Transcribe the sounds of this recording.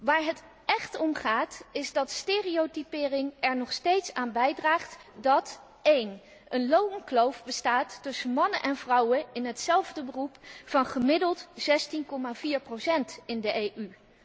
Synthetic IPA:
ʋaːɹɦət | ɛχtɔmχaːtɪzdɑtsteːriowtipɪːrɪŋɛɹnɔχstejtsaːnbɛjdraːχtdɑt | ejn | ənlowəŋklowvbəstaːtːɵsənmɑnəʔɛnvrʌwənɪnɦətsɛlˠvdəbərupfɑnχəmɪdəlˠtz̥ɛstinkɔmaːviːɹprosɛntɪndəʔejʔy

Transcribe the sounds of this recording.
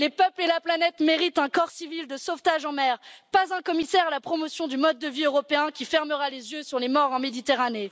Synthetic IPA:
lepœplelaplanɛt̪meʁit̪ɛ̃kɔʁsivild̪əsoft̪aʒɑ̃mɛːʁpazɛ̃kɔmisɛʁalapχɔmɔsjɔ̃d̪ymɔd̪ːəviøʁɔpeɛ̃kʲifɛʁməʁalezjøsyʁlemɔʁɑ̃med̪it̪eʁane

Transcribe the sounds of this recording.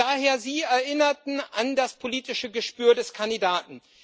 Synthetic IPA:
aːɦeːɐziːɛɐʔɪnɐtn̩ʔandaspʰoliːtɪʃəɡəʃpyːɐdɛskʰandidaːtn̩

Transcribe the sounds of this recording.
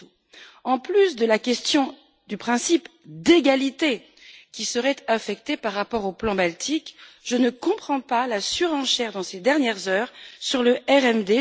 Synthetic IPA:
ɑ̃plysd̪əlakʲɛst̪jɔ̃ | d̪ypχɛ̃sipd̪eɡalit̪e | kʲisəʁɛt̪afɛk̚t̪epaʁːapɔʁoplɑ̃balt̪ʰikʒənəkɔ̃pχɑ̃palasyʁɑ̃ʃɛʁd̪ɑ̃sed̪ɛʁnjɛʁzœːʁsyʁləʔɛʁɛmd̪e

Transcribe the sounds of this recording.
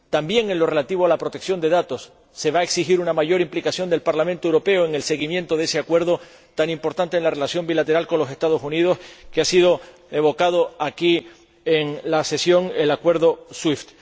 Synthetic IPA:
t̪ambje̞ŋe̞nlo̞re̞lat̪iβ̞oalapɾo̞t̪eksjo̞nd̪e̞ðat̪o̞sː | e̞βaeksixiɾunamaʝo̞ɾimplikasjond̪e̞lpaɾlamẽnt̪oewɾope̞oe̞ŋe̞lse̞ɣimjẽ̞nt̪o̞ð̞e̞se̞akwe̞ɾðo̞ | t̪aŋimpo̞ɾt̪ant̪enlare̞lasjo̞mbilat̪e̞ɾalko̞nlo̞se̞st̪að̞o̞sunið̞o̞skeasiðo̞ | e̞βo̞kað̞oaki | eŋlase̞sjo̞ŋe̞lakwe̞ɾðo̞swift̪

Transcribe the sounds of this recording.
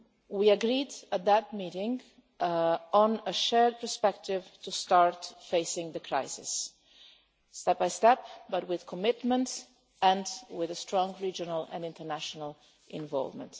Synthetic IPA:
wiəɡɹidət̪̚d̪ət̚miɾɪ̃ŋ | ɔ̃nəʃɛɹd̚pəɹspɛk̚tɪvtustɑɹtfeɪsɪ̃ŋðəkʰɹa̰ɪjsɪ̰s | tɛp̚b̥ajstɛp̚bʌt̚wɪð̥kʰɔmɪtmə̃nt | ɛ̃ndwɪðəstɹɔ̃ŋɡɹid͡ʒənəlɛ̰̃nɪ̃ntəɹnæʃɔnəlˠ | ʔɪ̃nvɔ̰lˠvmə̰̃nt

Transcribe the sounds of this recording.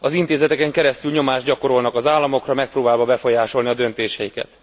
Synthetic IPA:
ɒzint̪eːzɛt̪ɛkɛŋkɛɾɛst̪ylɲo̞maːʒɟɒko̞ɾo̞lnɒkɒzaːlːɒmo̞krɒmɛk̚proːbaːlvɒbɛfo̞jaːʃo̞lniɒd̪ø̞nt̪eːʃɛjikɛ̰t̪

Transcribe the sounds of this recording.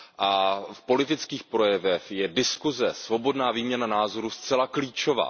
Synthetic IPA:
ʔafpo̞lɪt̪ɪt͡skiːxpɾo̞jɛvɛxjɛdɪskuzɛsvo̞bo̞dnaːviːmɲɛnanaːzo̞ɾust͡sɛlakliːt͡ʃo̞va̰ː

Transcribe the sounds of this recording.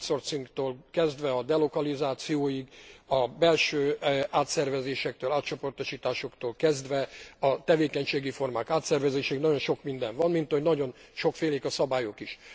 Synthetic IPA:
so̞rt̪siŋkt̪oːlkɛzd̪ʋɛɒd̪ɛlo̞kɒlizaːt̪sijoːjiɡɒbɛlʃøːaːt̪sɛrvɛzeːʃɛk̚t̪øːlaːt̪̚t͡ʃo̞po̞rt̪o̞ʃiːt̪aːʃo̞kt̪oːlkɛzd̪ʋɛɒt̪ɛveːkɛɲʃeːɡifo̞rmaːkaːt̪sɛrvɛzeːʃɛinɒɟo̞nʃo̞kmind̪ɛɱvɒnmint̪hoɟnɒɟo̞nʃo̞kfeːleːkɒsɒbaːjo̞kiʃ

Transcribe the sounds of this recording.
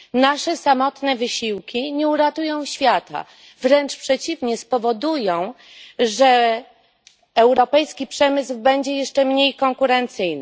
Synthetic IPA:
naʂɛsamɔt̪nɛvɘɕiwkʲiɲɛuɾat̪ujɔ̃w̃ɕfʲjat̪a̰ | vɾɛnt͡ʂpʂɛt͡ɕivɲɛspɔvɔd̪ujɔ̃w̃ | ʐɛ | ɛwɾɔpɛjskʲipʂɛmɘzwbɛɲd͡ʑɛjɛʂt͡ʂɛmɲejkɔŋkuɾɛnt̪sɘjnɘ

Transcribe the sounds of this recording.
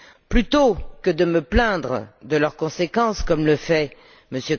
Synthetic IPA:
plyt̪okəd̪əməplɛ̃d̪ʁəd̪əlœʁkɔ̃sekɑ̃skɔmləfɛ | məsjø

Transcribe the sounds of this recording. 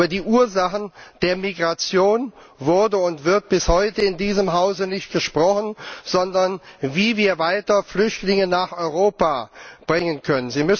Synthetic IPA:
ɐdiːʔuːɐzaχn̩d̥eːɐmiɡʁat͡sjoːn | vʊɐdəʊntv̥ɪɐt̚b̥ɪshɔʏtəɪndiːzəmɦaʊzənɪçt̚ɡ̥əʃpʁ̥ɔχn̩z̥ɔndɐnviːviːɐvaɪtɐflʏçtlɪŋənaːχʔɔʏʁoːpab̥ʁɪŋənkʰœnənziːmʏs

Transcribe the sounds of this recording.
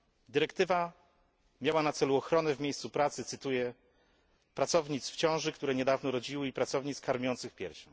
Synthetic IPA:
d̪ɘɾɛkt̪ɘva | mʲjawanat̪sɛluɔxɾɔnɛvmʲejst̪supɾat̪sɘt̪sɘt̪ujɛ | pɾat̪sɔvɲit̪sft͡ɕɔ̃w̃ʐɘkt̪uɾɛɲɛd̪avnɔɾɔd͡ʑiwɘipɾat̪sɔvɲit̪skaɾmʲjɔnt̪sɘxpʲjɛ̰ɾɕɛ

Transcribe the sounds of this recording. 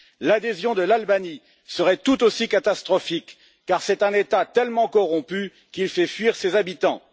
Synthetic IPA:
lad̪ezjɔ̃d̪əlalbani | səʁɛt̪ut̪osikat̪ast̪χɔfikː | aʁsɛt̪ɛ̃net̪at̪ɛlmɑ̃kɔʁɔ̃py | kilfɛfɥiʁsezabit̪ɑ̃

